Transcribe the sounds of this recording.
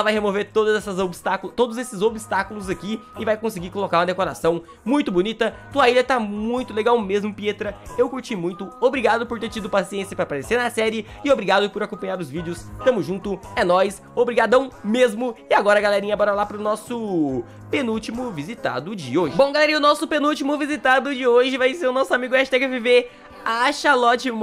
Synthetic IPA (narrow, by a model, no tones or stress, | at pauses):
ɛlɐvajhemoveɾt̪od̪ɐzɛsɐzobist̪akt̪od̪ʊzesɪzobist̪akʊlʊzakiɪvajkõsɪɡiɾkolokaɾũmɐd̪ekoɾasɐ̃w̃ | mũj̃t̪ʊbonit̪ɐt̪uɐiʎɐt̪amũj̃t̪ʊleɡawmezmʊpiet̪ɾɐewkuɾt͡ʃimũj̃t̪ʊobɾiɡad̪ʊpoɾt̪eɾt͡ʃid̪ʊpasiẽsjɐpɾapaɾeseɾnɐsɛɾɪɪobɾiɡad̪ʊpoɾakõpɐ̃ɲaɾʊzvid͡ʒɪʊst̪ɐ̃mʊzʒũnt̪ʊɛnɔs | obɾiɡad̪ɐ̃w̃mezmʊɪaɡɔɾɐɡalɛɾĩɲɐbɔɾɐlapɾʊnɔsʊ | pẽnuwt͡ʃimʊvizit̪a̰d̪ʊd͡ʒɪoʒɪbõw̃ɡalɛɾĩɲɐʊnɔsʊpẽnuwt͡ʃimʊvizit̪ad̪ʊd͡ʒɪoʒɪvajseɾʊnɔsʊamiɡʊɛʃt̪ɛɡɐvive | aʃalɔt͡ʃɪm